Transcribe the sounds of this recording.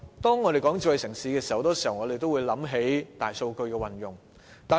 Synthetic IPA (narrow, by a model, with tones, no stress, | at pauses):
t̪ɔː˥ŋːɔː˨˧ɾe˨jkɔː˨˥ŋt͡si˧wɐ˨jsɪ˨˩ŋsiː˨˧kɛː˧si˨˩hwt̪ɔː˥si˨˩hɐ˨wŋɔː˨˧ɾe˨jt̪o˥wu˨˧jlɐ˨˥mɦe˨˥jt̪aː˨˩jso˧wkɵ˧ɥkɛː˧wɐ˨˩njʊ˨˩ŋ | t̪aː˨˩